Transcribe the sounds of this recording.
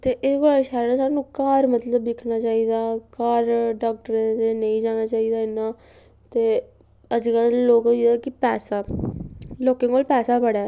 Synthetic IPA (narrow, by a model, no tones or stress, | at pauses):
t̪eːʔɪɡaːlʃɛːɾsaːnũːkaːɾmət̪ləb̪ːɪkʰnaːt͡ʃaːiːd̪aːkaːɾɖaːk̚ʈəɾẽt̪enə̃ĩːd͡ʒaːnaːt͡ʃaːiːd̪aːɪnːãː | t̪eː | əd͡ʒkəlloːkiːd̪aːkɪpɛːsaː | loːkẽkoːlpɛːsaːpəɽaː